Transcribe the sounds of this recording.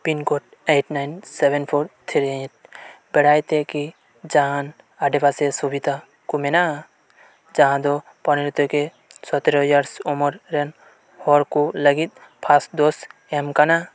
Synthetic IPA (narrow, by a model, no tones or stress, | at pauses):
pinkoʈ̚ | eʈnajnsebenpʰoɾt̪ʰiɾit̪̚bɛɽajt̪eki | d͡ʒaɦãn | aɖebasesubid̪ʱa | kumena | d͡ʒaɦãd̪ɔ | pɔniɾut̪ɔke | sɔt̪ɾojaɾsɔmɔɾɾen | hɔɾkuləɡit̪̚pʰasd̪os | emkana